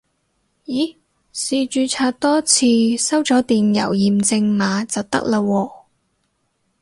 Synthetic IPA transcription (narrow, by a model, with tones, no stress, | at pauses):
jiː˨˥ | siː˧t͡ʃyː˨˧t͡sʰaː˧t̚t̪ɔː˥t͡sʰiː˧sɐ˥wt͡sɔː˨˥t̪iː˨njɐ̰˨˩wjiː˨mt͡sɪ˧ŋmaː˨˧˥t͡sɐ˨wt̪ɐ̰˥k̚la˧wɔː˧